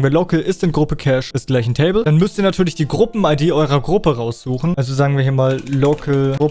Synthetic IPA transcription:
ŋ̩viɐlokl̩ʔɪstɪntɡ̥ʁʊpəkʰɛʃɛsɡ̥laɪçn̩tʰeɪbl̩d̥anmʏstiːɐnatʰyːɐlɪçd̥iːɡʁʊpm̩aɪdeːʔɔʏʁ̞ɐɡʁʊpəʁaʊsz̥uːxn̩ʔalzozaːɡŋ̩viɐiːɐmaːllokʰl̩ʊ

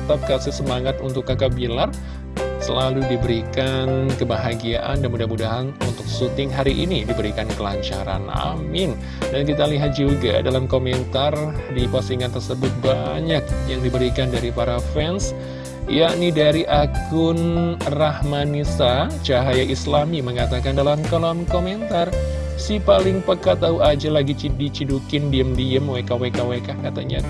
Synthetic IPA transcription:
t̪ap̚kasɪsəmaŋat̪unt̪ʊkːakabilar | səlaludibəɾikankəbaɦaɡiaʔa̰ndanmudahmudaɦanunt̪ʊk̚sut̪ɪŋɦaɾiʔinidibəɾikankəlaɲt͡ʃaɾa̰na̰mɪn | dank̬it̪aliɦat̪̚d͡ʒuɡa̰dalamkomɛnt̪ardipasiŋant̪ərsəbʊt̪̚baɲak̚jaŋdibəɾikandaɾipaɾafɛns | jaʔnidaɾiʔakʊnrahmanisat͡ʃaɦajaʔislamiməŋat̪akandalamkəlamkomɛnt̪ar | sipalɪŋpəkat̪auad͡ʒalaɡit͡ʃidit͡ʃidukɪndiəmdiəmwekawekawekahkat̪a̰ɲa̰

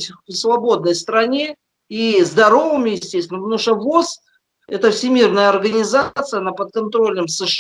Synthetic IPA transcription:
tʲvsvɐbo̞d̪nəjst̪ɾɐnʲe̞ | izd̪ɐɾo̞vɨmʲɪjɪsʲtʲest̪ʲɪnnuʂəvos | ɛt̪əfsʲɪmʲirnəjəɐrɡənʲɪzat̪sɨjənɐpət̪̚kɐnt̪ɾo̞lʲnɨmsɨʂ

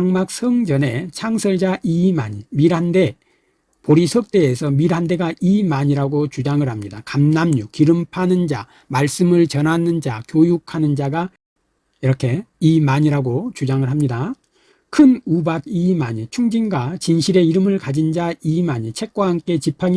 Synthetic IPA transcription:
ŋmak̚sʰʌŋd͡ʑʌne̞t͡ɕʰaŋsʰʌɭd͡ʑaʔimaɲimiɾɦande̞ | poɾisʰʌk̚t͈e̞ːsʰʌmiɾɦande̞ɡaʔimaɲiɾaɡot͡ɕud͡ʑaŋɯɭhamɲidakamnamɲukiɾɯmpʰanɯnd͡ʑa | maɭs͈ɯmɯɭt͡ɕʌnɦanɯnd͡ʑakjojukʰanɯnd͡ʑaɡa | iɾʌkʰe̞imaɲiɾaɡot͡ɕud͡ʑaŋɯɭɦamɲida | kʰɯnubaɡ̚imaɲit͡ɕʰuŋd͡ʑinɡwat͡ɕinɕʰiɾe̞iɾɯmɯɭkad͡ʑind͡ʑaimaɲit͡ɕʰe̞k̚k͈waɦamk͈e̞t͡ɕipʰaŋi

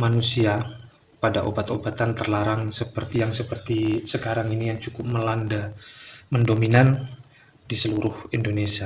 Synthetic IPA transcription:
manusia | padaʔo̰bat̪obat̪ant̪ərlaɾaŋsəpərt̪ijaŋsəpərt̪isəkaɾaŋinijaŋt͡ʃukʊp̚məlandaməndominan | d̥isəluɾʊhindonesia

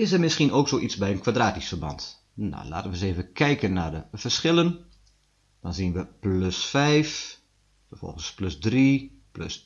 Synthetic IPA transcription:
ɪsərmɪskinoːksoːʔisbɛjənkʰʋadraːtisfərbɑ̰nt | na̰la̰ːtənʋəseːvəkʰɛjkənːadəfərsxɪlˠən | d̥ɔnzinʋəpløsfɛjf | fərfɔ̰lˠɣənspløsdri | plø̰s

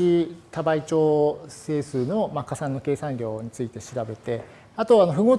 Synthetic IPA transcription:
it̪abait͡ɕo̞ːse̞ːsɨːno̞makasãnːo̞keːsãnɾʲo̞ːɲ̟it͡sɨit̪e̞ɕiɾabe̞t̪e̞ | at̪o̞anoɸɯ̟ɡo̞ː

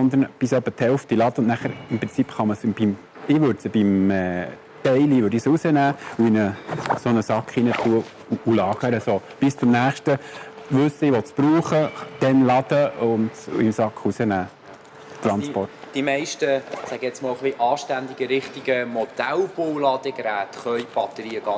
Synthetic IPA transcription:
sɔnd̪ənb̥ɪsœpːət̪ʰhɛlft̪ilɑd̪əʊnnæχəɾɪmpɾɪnt͡sipχɑməsbim | ɪʋøɾtsəb̥imɛ̰ː | t̪ɛɪliʋøːɾdisusənæːuinəsonəsɑkχinətʰuə | uʔulɑːɡ̥əɾəsob̥ɪst͡sʊmnæːχʃtəʋʉsːəɪʋɔtspɾuːχəd̥ɛnlɑd̪̥əʊnd̰ɪmsɑkχusənæː | t̪ɾɑnspɔrtd̥imɛɪʃtəsæɡ̥əjɛt͡smɔːlχliʔɑːʃtænd̪iɡəɾɪχt̪iɡ̥əmod̪̥ælb̥owlɑːd̥̪əɡ̥ɾæːt̪χœʏb̥ɑt̪əɾiːəɡ̥ɑ

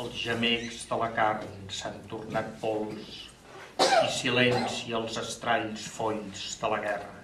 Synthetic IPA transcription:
əlˠzʒəmekzðələkarnsant̪urnat̪̚pɔlˠs | isilɛnsiəlˠzəst̪ɾaʎsfɔʎzd̪ələɣɛrə

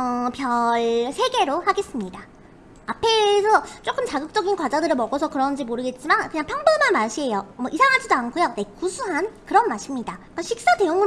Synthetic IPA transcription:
ʌpjʌɭsʰe̞ɡe̞ɾohaɡe̞s͈ɯmɲidaː | pʰe̞sʰʌt͡ɕ͈ok͈ɯmt͡ɕaɡɯk̚t͡ɕ͈ʌɡinkwad͡ʑadɯɾɯɭmʌɡʌsʰʌkɯɾʌnd͡ʑimoɾɯɡe̞t̚t͡ɕ͈imankɯɲaŋpʰjʌŋbɯmanmaɕʰie̞jomʌʔisʰaŋɦad͡ʑidoankʰojone̞kusʰuɦankɯɾʌnmaɕʰimɲidak͈aɕʰik̚s͈ate̞joŋɯ

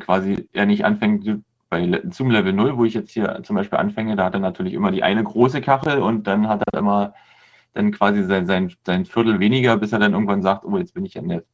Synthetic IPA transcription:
kv̥aːziʔḛːɐnɪçtʔa̰nfɛŋtː | b̥aɪlɛt͡suːmlɛvl̩nʊlvoːɪçjɛt͡sthiːɐt͡sʊmbaɪʃpiːlʔa̰nfɛŋədaːhateːɐnatʰyːɐlɪçʔɪmɐɾiːʔa̰ɪnəɡʁoːs̬əkʰaχl̩ʊnt̚d̥anɦateɐʔɪ̰mɐ | d̥ankv̥aːzizaɪnzaɪnz̥aɪnfɪɐtl̩veːnɪɡɐbɪseːɐdanʔɪɐɡŋ̩tv̥anzaːk̚tʔoːjɛt͡sb̥ɪnɪçj̥anɛt

